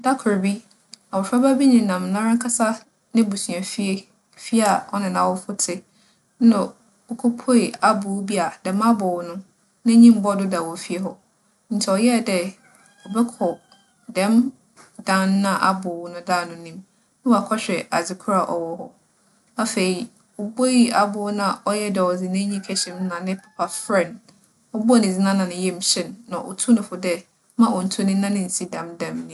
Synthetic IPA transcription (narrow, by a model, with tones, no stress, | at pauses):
da˦kʰʊ˨ɾbi˦ | a˨wʊ˨fa˦ba˦bi˦nĩ˨nã˨m˨nã˦ɾã˦ŋkʰa˦sa˦ | nɪ̃˦bu˨sɥa˨fi˦e˦ | fi˦a˨ɔ˦nɪ̃˨nã˨wʊ˦fʊ˦tʰɪ˦ | nã˨ | ʊ˨kʰo˦pʰo˦e˨a˦bʊ˨˦bi˦a˨dɛ̃˨mã˦bʊ˨wnʊ̃˦ | nã˦ɲĩ˦m˦bɔ˦˨dʊ˦da˨wɔ˨fi˦e˦ɦɔ˦ | n̩˨tʰɛ˨ɔ˨jɛ˦˨dɛ˦ | ɔ˨bɛ˦kʰɔ˨ | dɛ̃˦m | dã˦nː˦ã˦ʔa̰˦bʊ˨wnʊ̃˦daː˦˨nʊ̃˨nĩ˦m | nɪ̃˦wɔ˨a˨kʰɔ˦ɕᶣɛ˨ʔa˨d͡zɪ˨kʰʊ˦ɾa˨ʔɔ̰˨wɔ˦hɔ˦ | a˦fe˨i˨ | ɔ˨bo˦i˦a˨bʊː˨˦nã˨ɔ˦jɛ˦dɛ˨ɔ˨d͡zɪ˨nɛ̃˦ɲĩ˦kʰɛ˦ɕɪ̃˨m˦nã˨nɪ̃˦pʰḁ˨pʰa˨fɾɛ̃˦˨n | ɔ˦bʊ˦a˨nɪ̃˨d͡zɪ˦nã˦nã˨nɪ̃˨jɛ˦m̩˨ɕɪ̃˦nːã˨ʔɔ̰˨tʰu˦nʊ̃˨fʊ˨dɛ˦ | mã˦ʔɔ˨n̩˨tʰu˦nɪ̃˦nã˦nɪ̃˦˨n̩˨si˦dã˨mdɛ̃˨mnɪ̃˨˦